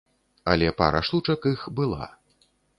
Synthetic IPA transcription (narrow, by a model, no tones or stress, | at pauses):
ɐ̰lʲɛpa̰ɾɐ̰ʂlut͡ʂɐkixbɨlˠa̰